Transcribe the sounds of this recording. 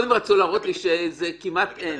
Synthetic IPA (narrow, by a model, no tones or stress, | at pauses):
dimʁat͡sulaːʁot̪liʃezekimat̪e